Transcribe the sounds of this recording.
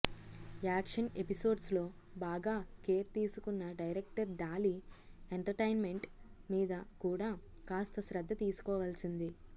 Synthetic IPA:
aːkʂɐne̞piso̞ːɖslo̞ː | baːɡaːkeːɾt̪iːsukunːɐɖɐjɾek̚ʈɐɾɖaːlieɳʈɐɾʈɐjnme̞ɳʈmiːd̪ɐkuːɽaː | kaːst̪ɐʃɾɐd̪ːɐt̪iːsu̥kɔːʋaːlsind̪i

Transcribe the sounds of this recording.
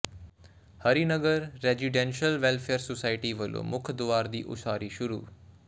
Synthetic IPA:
həɾinəɡəɾːeziɖenʃəlʋelfʰeəɾsosaːɪʈiʋəlo̰mʊkʰd̪ʊʋaːɾd̪iːʔʊ̰ʃaːɾiʃʊɾṵː

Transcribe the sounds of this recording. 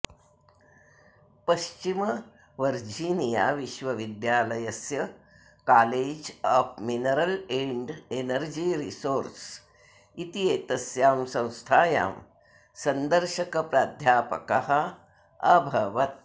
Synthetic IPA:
pɐʃt͡ʃimɐ | ʋɐɾd͡ʒiːnija̰ːʋiʃʋɐʋid̪jaːlɐjɐsjɐ | kaːleːd͡ʒaːpʰminɐɾɐleːɳɖenɐɾd͡ʒiːɾisoːɾs | it̪ijeːt̪ɐsjaːmsɐ̃w̃st̪ʰaːja̰ːm | sɐnd̪ɐɾʃɐkɐpɾaːd̪ʱjaːpɐ̰kɐhɐ̆ | ɐbʱɐʋɐt̪̚

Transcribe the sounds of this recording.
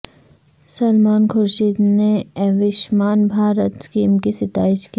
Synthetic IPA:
sɐlmaːnkʰʊɾʃiːd̪neɛʋɪʃmaːnbʱaːɾət̪skiːmkisɪt̪a̰ːɪʃki

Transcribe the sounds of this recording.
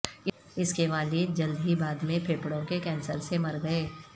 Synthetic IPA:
ɪskeʋaːlid͡ʒɐld̪ʱɦibaːd̪mẽpʰeːpɽõkekɛ̃ːnsəɾsemɐɾɡɐeː

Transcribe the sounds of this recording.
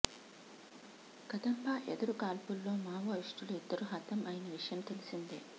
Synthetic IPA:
ɡɐd̪ɐmpaːʔed̪ɐɾukaːlpulːo̞ːmaːʋɐiʂʈuluid̪ːɐɾuɦɐt̪ɐmɐːjɐnɐʋiʂɐjɐmt̪elisind̪ḭ

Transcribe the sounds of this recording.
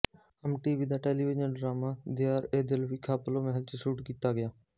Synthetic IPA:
əmʈiːʋiːd̪aːʈeːliːʋɪd͡ʒənɖɾaːmaːd̪ɪjaːɾeːd̪ɪlʋiːkʰaːploːmɛɦəlt͡ʃesuːʈkiːt̪aːɡɪjaː

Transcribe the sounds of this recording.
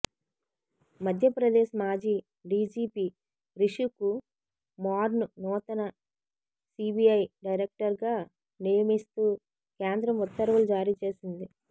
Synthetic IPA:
mɐd̪ʱjɐpɾɐd̪eːʃɐmaːd͡ʒiː | ɖiːd͡ʒiːpiː | ɾiʂuku | maːɾnunɔːt̪ɐnɐ | siːbiɐjɖɐjɾek̚ʈɐɾɡaː | nijɐmist̪uː | keːnd̪ɾɐmut̪ːɐɾʋɐlud͡ʒaːɾiːt͡ʃe̞ːsind̪i

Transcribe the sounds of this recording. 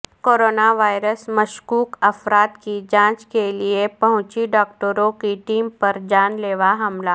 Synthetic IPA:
koːɾoːnaʋaːɪɾəsmɐʃkuːkɐfɾaːt̪kid͡ʒãːt͡ʃkeliepɐɦʊ̃t͡ʃiɖɔːk̚ʈəɾõkiʈiːmpɐɾd͡ʒaːnleːʋaɦɐmla

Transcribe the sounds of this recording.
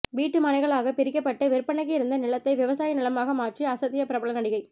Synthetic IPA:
ʋiːʈːɯmɐnɐɪɣɐɭaːɣɐpɪɾɪkːɐpːɐʈːɐʋɪɾpːɐɳɐkːɪɪɾɯnd̪ɐnɪlɐt̪ːɐɪʋɪʋɐsaːjɐnɪlɐmaːɣɐmaːʈriɐsɐt̪ːɪjɐpɪɾɐbɐɭɐnɐɽɪɣɐɪ

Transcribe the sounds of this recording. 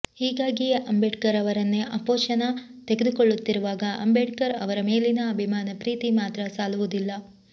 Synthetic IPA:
hiːɡaːɡiɐmbeɖkɐɾɐʋɐɾɐnːeʔɐpoːʃɐnɐt̪e̞ɡed̪ukoɭːut̪ːiɾuʋaːɡɐʔɐ̰mbeɖkɐɾɐ̰ʋɐɾɐme̞ːlinɐːbʱimaːnɐpɾiːt̪imaːt̪ɾɐsaːluʋud̪ilːɐ

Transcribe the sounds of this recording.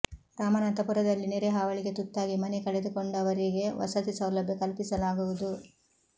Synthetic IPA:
ɾaːmɐnɐnt̪ɐpuɾɐd̪ɐlːiniɾeɦaːʋɐɭiɡe̞t̪ut̪ːaːɡimɐnɛkɐɭed̪ukoɳɖɐʋɐɾiɡe̞ʋɐ̰sɐt̪isɐwlɐbʱjɐkɐlpisɐlaːɡuʋud̪u

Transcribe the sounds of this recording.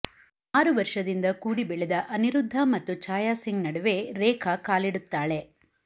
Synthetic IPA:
aːɾuʋɐɾʂɐd̪ind̪ɐkuːɽibɛɭɛd̪ɐʔɐniɾud̪ʱːɐmɐt̪ːut͡ʃaːjaːsiŋɡnɐɽɐʋe̞ɾɛːkʰɐkaːliɽut̪ːaːɭe̞

